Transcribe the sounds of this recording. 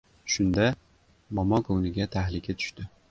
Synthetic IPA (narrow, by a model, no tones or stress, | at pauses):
ʃʊnd̪a | mɒmɒkʰownɪɡʲat̪ʰahlɪkʲat̪ʰʊ̥ʃt̪ɪ